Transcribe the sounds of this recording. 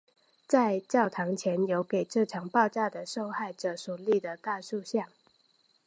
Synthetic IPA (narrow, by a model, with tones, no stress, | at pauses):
t͡sa˥˧ɪt͡ɕjɑ˥˩ʊt̪ʰɑ˧˥ŋt͡ɕʰjɛ˧˦njo˧˥ʊke˨˩ɪʈ͡ʂɤ˥˩ʈ͡ʂʰɑ˨˩ŋpɑ˥˧ʊʈ͡ʂa˥˩d̪ə˩ʂo˥˧ʊxa˥˩ɪʈ͡ʂɤ˨˩ʂu˨˩li˥˩d̪ə˩t̪a˥˧ʂu˥˧ɕjɑ˥˩ŋ